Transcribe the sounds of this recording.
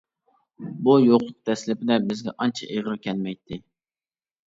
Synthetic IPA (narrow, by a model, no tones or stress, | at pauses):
bujoqʊt̚t̪ʰɛslɪpɪd̪ɛbɪzɡʲɛʔɑnt͡ʃʰɛ̰ʔeʁəɾkʲʰɛlmɛjt̪ʰːɪ